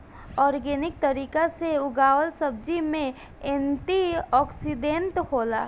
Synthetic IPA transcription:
ɔːɾɡeːnɪk̚t̪əɾiːkaseʊɡaːwəlsəb̚d͡ʒimẽ | ẽnʈiɔːksiɖẽnʈhoːla̰ː

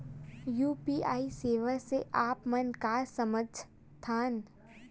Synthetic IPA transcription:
juːpiːaːiseːʋəɾseʔaːpmənkaːɾsəməd͡ʒʱ | t̪ʰaːn

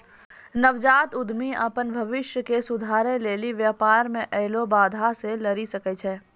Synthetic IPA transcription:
nəʋd͡ʒaːt̪ʊd̪miə̰pənbʱɐʋɪʃjəkesʊd̪ʱaːɾẽleːliʋjaːpaːɾmẽʔɛɦlobaːd̪ʱaselɐɾisɐkɛt͡ʃʰɛː

